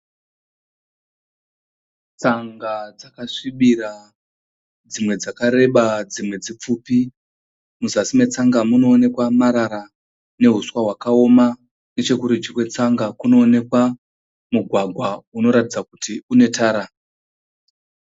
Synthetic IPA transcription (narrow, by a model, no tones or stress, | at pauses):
t͡saŋɡad͡zakaʂiɓiɾa | d͡zimwe̞d͡zakaɾe̞ɓad͡zimwe̞d͡zip͡fuːpi | muzasime̞t͡saŋɡamuno̞ːne̞kwamaɾaɾa | ne̞ɦuswaɦwakao̞ma | ne̞t͡ʃe̞kuɾid͡ʒikwe̞t͡saŋɡakuno̞ːne̞kwa | muɡʱwaɡʱwauno̞ɾatid͡zakutiune̞tʰaːɾa